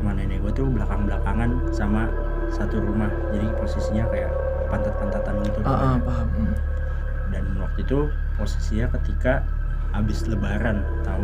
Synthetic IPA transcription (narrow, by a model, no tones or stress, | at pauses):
mananaibat̪ublakaŋbəlakaŋan | sama | sat̪uɾumahd͡ʒadiposisiɲakajaʔ | pant̪at̪̚pant̪at̪anɡit̪uʔpaɦam | dannwak̚t̪uit̪u | posisiɲakət̪ika | abɪsləbaɾan | t̪a